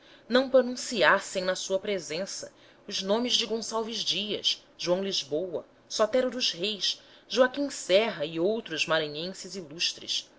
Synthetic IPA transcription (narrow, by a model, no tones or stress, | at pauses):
nɐ̃w̃pɾonũsiasẽj̃nɐsuɐpɾezẽsɐ̰ | ʊznõmɪzd͡ʒɪɡõsawvizd͡ʒiɐ̰ʃ | ʒ̥uɐ̃w̃lizbowɐ̰ | sɔt̪ɛɾʊd̪ʊzhejs | ʒuakĩŋsɛɦɐiowt̪ɾʊzmaɾɐ̃ɲẽsɪziluʃt̪ɾɪ̰ʃ